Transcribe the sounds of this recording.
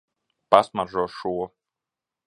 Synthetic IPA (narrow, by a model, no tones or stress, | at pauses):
pasmaɾʒuɔʃuɔ